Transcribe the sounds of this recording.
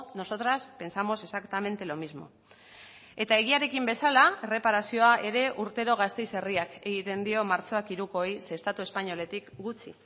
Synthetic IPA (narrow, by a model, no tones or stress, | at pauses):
no̞so̞t̪ɾaspe̞nsamo̞se̞sakt̪ame̞nt̪e̞lo̞mizmo̞̰ | e̞t̪ae̞ɣiaɾe̞kimbe̞salaere̞paɾasio̞aʔe̞ɾe̞ʔuɾt̪e̞ɾo̞ɣ̞ast̪e̞jse̞riake̞ɣ̞it̪e̞nd̪io̞maɾt͡so̞akiɾuko̞jse̞st̪at̪ue̞spaɲo̞le̞t̪ikɡut͡sḭ